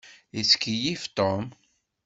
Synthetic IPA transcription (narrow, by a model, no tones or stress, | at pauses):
iskijift̪om